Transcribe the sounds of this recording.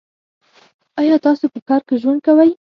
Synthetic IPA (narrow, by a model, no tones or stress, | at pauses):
ɑjɑt̪ɑsopəkɑɾkeʒwand̪̚kawaj